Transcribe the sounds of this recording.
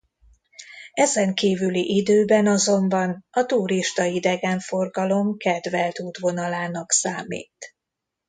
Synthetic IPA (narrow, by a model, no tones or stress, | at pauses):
ɛzɛŋkiːvyliʔid̪øːbɛnɒzo̞mbɒnɒt̪uɾiʃt̪ɒid̪ɛɡɛɱfo̞rɡɒlo̞mkɛd̪vɛlt̪uːt̪ʋo̞nɒlaːnɒksaːmḭːt̪